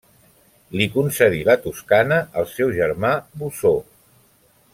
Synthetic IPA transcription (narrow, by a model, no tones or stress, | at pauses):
likunsəðilət̪uskanəəlˠsɛwʒəɾmabuso